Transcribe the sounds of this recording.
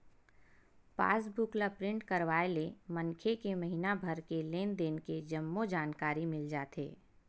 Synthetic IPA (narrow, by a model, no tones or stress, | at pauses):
pa̰ːsbʊklapɾɪ̃ɳʈkɐɾʋaːelemɐnkʰekemɐɦinabʱɐɾkeleːnd̪eːnked͡ʒɐmːod͡ʒaːnkaːɾimɪld͡ʒaːt̪ḛː